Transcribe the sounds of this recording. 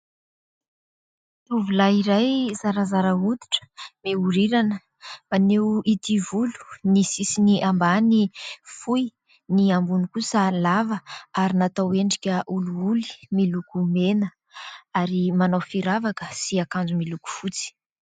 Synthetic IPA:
t̪uvulaiɾajzaɾazaɾəut̪i̥ʈ͡ʂə̥meuɾiɾanə | manewit̪ivulu̥nisisiniʔambanifuj | niambunikusəlavəaɾinat̪aweɳɖ͡ʐikʲəʔuluuli̥milukumenə | aɾimanafiɾavakə̥siakand͡zumiluku̥fut͡si̥

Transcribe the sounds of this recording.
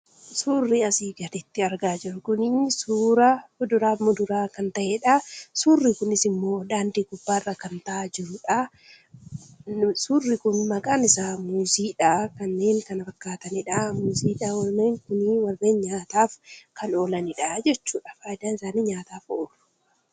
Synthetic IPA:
suːrːiɐsiːɡɐd̪ɪt̪ːɪɐɾɡaːd͡ʒɪɾʊkʊnisuːɾɐʊd̪ʊɾaːmʊd̪ʊɾaːkɐnt̪ɐʔeːᶑɐsuːrːiːkʊnɪsɪmːo̞ːd̪aːnd̪iːɡʊbːaːrːɐkɐnt̪ɐad͡ʒɪɾʊᶑɐ | suːrːikʊnmɐkʼaːnɪsaːmuziːᶑakɐnːe̞ːŋkɐnɐfɐkːaːt̪ɐnɪᶑɐmʊziːᶑawɐlneːŋkʊnɪwɐrːeːnɲaːt̪aːfkʰɐno̞ːlɐnɪᶑɐd͡ʒɛt͡ʃːuːᶑɐ̥faːɪd̪aːnɪsaːniɲaːt̪aːfoːrʊ

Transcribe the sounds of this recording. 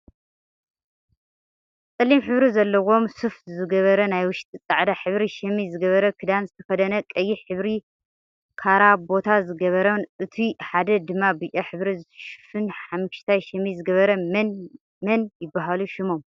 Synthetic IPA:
t͡sʼɨlːimħɨβɾizɐlːɐwo̞msɨftzɨɡɐβɐɾɐnajwʊʃt̪ʼit͡sʼaʕd̪aħɨβɾiʃɛmizɨɡɐβɐɾɐkʰɨd̪anzɨt̪ʰɐ̥xɐd̪ɐnɐkʼɐjːiħɨβɾi | kʰaɾabo̞t̪ʰazɨɡɐβɐɾonʔɨt̪ʰiħad̪ɐd̪ɨmːabɨt͡ʃʼaħɨβɾizʃɨ̥fɨnħamɨʃt̪ʰajʃɐmizɨɡɐβɐɾɐmn | mɐnjɪbːaɦaluʃɪmo̞m

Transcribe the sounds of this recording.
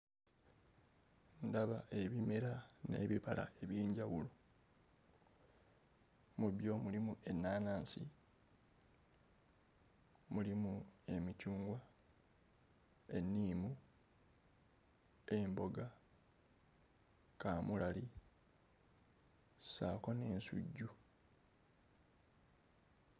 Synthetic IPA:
ndaβae̞βime̞ɾane̞̰βiβala̰e̞βjeːɲɟawulo̞ | muβjo̞mulimue̞nːaːnaːnsḭ | mulimue̞micuːŋɡwa | e̞nːiːmu | e̞mbo̞ɡa | kaːmulali | sakone̞ːnsṵɟːu

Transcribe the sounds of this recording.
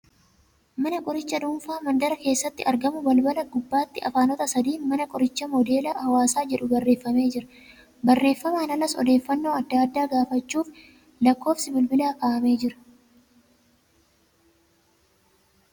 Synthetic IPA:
mɐnɐkʼɔɾɪt͡ʃːɐd̪ʊmfaːmɐnd̪ɐɾɐke̞ːsːɐt̪ːɪʔɐɾɡɐmʊbɐlbɐlɐɡʊbːaːt̪ːɪʔɐ̰faːnɔt̪ɐsɐd̪iːmɐnɐkʼɔɾɪt͡ʃːɐmɔd̪e̞ːlahɐwaːsaːd͡ʒɛᶑʊbɐrːeːfːɐme̞ːd͡ʒɪɾɐ | bɐrːe̞ːfːɐmaːnɐlɐsɔ̰d̪e̞ːfːɐnːo̞ːɐd̪ːaːd̪ːaːɡaːfɐt͡ʃːuːf | lɐkːo̞ːfsɪbɪlbɪlaːkaːʔɐme̞ːd͡ʒɪɾɐ̥

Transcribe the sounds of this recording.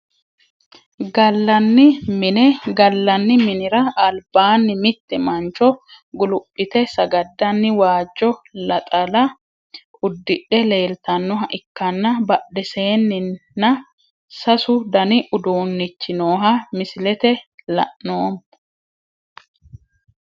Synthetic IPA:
ɡɐlːɐnːɪmɪnɛɡɐlːɐnːɪmɪnɪɾɐɐlbaːnːɪmɪt̪ːɛmɐnt͡ʃɔ | ɡʊlʊpʼːɪt̪ɛsɐɡɐd̪ːɐnːɪwaːd͡ʒːɔlɐt̪ʼɐlɐ | ʊd̪ːɪᶑɛle̞ːlt̪ɐnːɔɦɐʔɪkːɐnːɐbɐdɛseːnːɪːɐ | sɐsʊd̪ɐnɪʔʊd̪oːnːɪt͡ʃːɪnoːɦɐmɪsɪlɛt̪ɛlɐ̰ʔnoːm

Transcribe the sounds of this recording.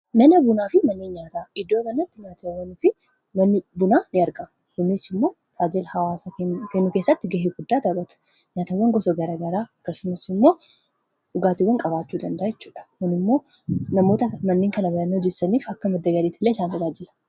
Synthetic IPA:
nɐnɐbʊnaːfɪmɐnːeːnɲaːt̪aːɪd̪ːo̞ːkɐnɐt̪ːɪɲaːt̪ɐwːɐnʊfɪ | mɐnːɪbʊnaːnɪɐɾɡɐ | hʊnːɪsɪmːo̞ː | t̪ʰaːd͡ʒɛlhɐwaːsakeːnːʊke̞ːsːɐt̪ːɪɡɐɦeɡʊd̪ːaːt̪ɐbɐt̪ʊ̥ | ɲaːt̪ɐwːɐŋɡɔsɔɡɐɾɐɡɐɾaːɐkːɐsʊmːɐsɪmːo̞ː | ʊɡaːt̪ɪwɐŋkʼɐβaːt͡ʃːuːd̪ɐnd̪ɐːjɛt͡ʃːuːᶑɐ̥mɐnɪmːo̞ː | nɐmo̞ːt̪ɐmɐnːeːŋkɐnɐbɐɾɐnːod͡ʒɪsɐniːfɐkːɐmɐd̪ːɐɡɐɾiːt̪ːɪlːeːɪsaːnɐɡaːd͡ʒɪlɐ̥

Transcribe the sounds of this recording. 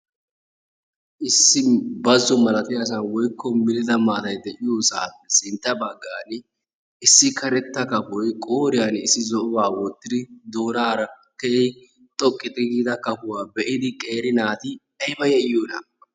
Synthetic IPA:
ʔɪsːɪbɐzːɔmɐlɐt̪ɪjas̬ɐnwɔjkːɔmɪlɪd̪ɐmaːt̪ɐjd̪ɛʔɪjosa̰ːpːɛsɪnt̪ːɐbɐɡːaːn | ɪsːɪkʰɐɾɛt̪ːɐkɐpɔjkʼoːɾɪjanɪsːɪzɔʔbaːwɔt̪ːɪd̪ɪd̪o̞ːnaːɾɐ | kɛɪ | t̪ʼɔkʼːɪt̪ʼɪɡiːd̪ɐkɐpʊwaːbɛʔɪd̪ɪkʼe̞ːɾɪnaːt̪ɪ | ɐjbɐjɛjoːnɐ̰

